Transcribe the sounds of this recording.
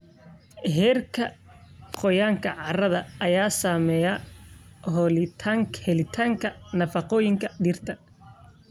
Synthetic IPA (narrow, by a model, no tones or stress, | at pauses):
ɦɛːrkʰɐ | qɔjaːŋkʰɐʕɑrɐðɐʔɐjaːsaːmɛːjɐ | ɦɔlɪt̪ʰaːŋkhɛlɪt̪ʰaːŋkʰɐnɐfɑqɔːjɪŋkʰɐɖiːrt̪ʰɐ